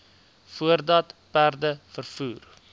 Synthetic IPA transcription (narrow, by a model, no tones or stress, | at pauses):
fuərdɐtpærdəfərfuːr